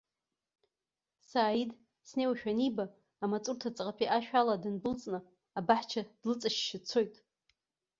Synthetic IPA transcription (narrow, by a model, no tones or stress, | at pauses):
saːid | sne̞waʃᶣanibaː | mat͡sʼurtʰat͡sʼqʼapʼiʔaʃᶣaladɨnbɨlt͡sʼnɨ | abaħt͡ʃʰad̥lɨt͡sʼaʃʃɪt͡sʰo̞jtʼ